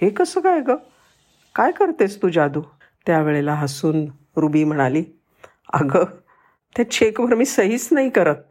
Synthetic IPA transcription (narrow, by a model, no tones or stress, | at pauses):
ɦekəsəːkajɡə | kajkəɾt̪est̪uːd͡ʑad̪uː | t̪jaʋeɭelaɦəsuːn | ɾubiːm̤əɽ̃aliː | ə̰ɡəː | t̪jat͡ɕiekbʱəɾmiːsəɦiːt͡snaɦikəɾət̪̚